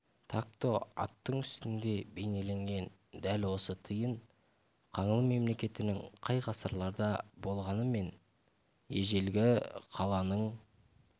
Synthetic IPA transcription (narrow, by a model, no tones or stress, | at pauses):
t̪ʰak̚t̪o̞ɑ̰t̪ːəɴʏst̪ɪnd̪e̞be̞jne̞le̞ŋɡʲe̞n | d̪ælwo̞sət̪ʰəjəɴ | qʰɑɴəlˠme̞mle̞kʲe̞t̪ɪnɪŋqʰɑjqʰɑsɑɾlˠɑɾd̪ɑbo̞lˠʁɑnəme̞n | e̞ʒe̞lɡʲɪqʰɑlˠɑnəɴ